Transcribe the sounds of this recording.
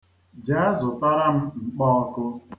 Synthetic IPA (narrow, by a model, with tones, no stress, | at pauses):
d͡ʒa˨˦a˦zʊ˨ta˦ɾa˦m̩˦ŋ͡m̩˨k͡pɔ˦ɔ˦kʊ˦